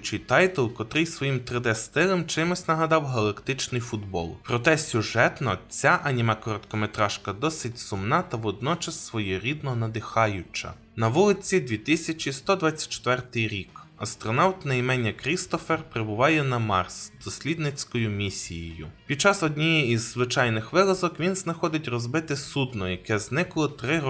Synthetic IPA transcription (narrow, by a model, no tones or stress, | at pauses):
t͡ʃɪjt̪ɑjt̪ɛlˠkɔt̪ɾɪjsʋɔjimt̪ɾɪd̪ɛst̪ɪlˠɛmt͡ʃɪmʊsʲnɐɦɐd̪ɑwɦɐlˠɐkt̪ɪt͡ʃnɪjfʊd̪bɔ̰lˠpɾɔt̪ɛsʲʊʒɛt̪nɔt͡sʲaʔɐnʲimɑkɔɾɔt̪kɔmet̪ɾɑʃkɐd̪ɔsɪtʲsʊmnɑt̪ɐʋɔd̪nɔt͡ʃɐsːʋɔjɛɾʲid̪nɔnɐd̪ɪxɑjʊt͡ʃɐ̰ | nɐʋulˠɪt͡sʲid̪ʲʋʲit̪ɪsʲɐt͡ʃʲist̪ɔd̪ʋɑt͡sʲːɐ̥t͡ʃːe̥t̪ʋɛrt̪ɪjɾʲikɐst̪ɾɔnɑwt̪nɐjmɛnʲːɐkɾʲist̪ɔferpɾebʊʋɑjɛnɐmɑrsd̪̥ɔsʲlʲid̪nɪt͡sʲkɔjʊmʲisʲijejʊ̰pʲid̪̚t͡ʃɑsɔdʲnʲijiizːʋɪt͡ʃɑjnɪxʋɪlˠɐzɔkʋʲinznɐxɔd̪ɪtʲrɔzbɪt̪ɪsud̪nɔjɐkɛznɪklˠɔt̪ɾɪ